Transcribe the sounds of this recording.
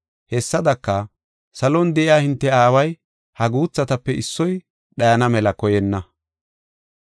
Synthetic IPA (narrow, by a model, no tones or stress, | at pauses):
hɛsːɐd̪ɐkːɐ | sɐlɔnd̪ɛʔɪjaːhɪnt̪ːɛaːwɐj | hɐɡuːt͡sːɐt̪ɐpːɛʔɪsːɔj | ɗɐjɐnɐmɛlɐkɔjɛnːɐ